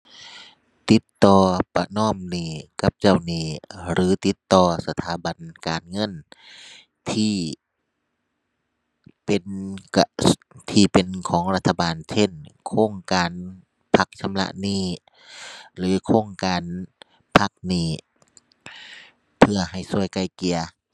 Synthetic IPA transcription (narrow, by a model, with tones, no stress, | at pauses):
t̪i˧˦t̪ːɔː˧pa˧nɔː˧˥˩mniː˧˩ka˧˦p̚t͡ɕa˧˩wniː˧˩ɾɯː˨˦t̪i˧˦t̪ːɔː˧˩sa˧t̪ʰaː˨˦ba˨nkaː˨nŋɤ˧˥˨n | t̪ʰiː˧˩ | pe˨˩na˧t̪ʰiː˧˩pe˨nkʰɔː˨˦ŋɾla˧t̪ʰːa˧baː˨nsʰe˧˥˨nkʰoː˧˥˨ŋkaː˨n | pʰa˧˥k̚sʰa˧˦mla̰˧ʔniː˧˥˩ | lɯː˨˦kʰoː˧˥˨ŋkaː˨n | pʰa˧˥k̚niː˧˩ | pʰɯ˧˩ɐha˨˩jsu˧˩əjka˧˩jki˨ɐ